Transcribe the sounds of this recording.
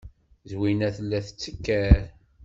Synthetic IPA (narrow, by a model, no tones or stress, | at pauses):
zwinæθəlːæθət͡sːəkːæɾ